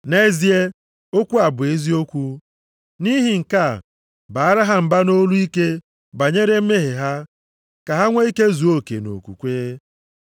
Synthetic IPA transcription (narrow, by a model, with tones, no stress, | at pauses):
ne˦zi˦e˦ | o˦kʷu˦a˨bʊ˨e˦zi˦o˦kʷu˦ | ni˦ɦi˨ŋ̩˨ka˦˨ | ba˨a˦ɾa˦ɦa˦m̩˨ba˦no˦lu˦i˦ke˦ | ba˨ɲe˦ɾe˦m̩˦me˦ɦe˨ɦa˦ | ka˨ɦa˦ŋʷa˦i˦ke˦zu˨o˦kḛ˨no̰˨kṵ˨kʷe˦e˦